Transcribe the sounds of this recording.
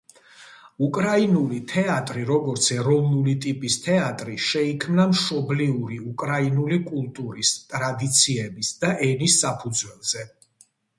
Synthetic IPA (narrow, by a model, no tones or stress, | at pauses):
ukʼɾainulit̪ʰɛat̪ʼɾiɾɔɡɔɾt̪sʰɛɾɔvnulit̪ʼipʼist̪ʰɛat̪ʼɾiʃɛikʰmnamʃɔbliuɾiukʼɾainulikʼulˠt̪ʼuɾist̪ʼɾad̪it̪sʰiɛbisd̪̥aʔɛnisːapʰud̪zwɛlˠz̥ɛ